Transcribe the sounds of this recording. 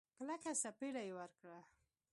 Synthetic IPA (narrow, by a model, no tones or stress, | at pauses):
klakasapeɽajewaɾkɽa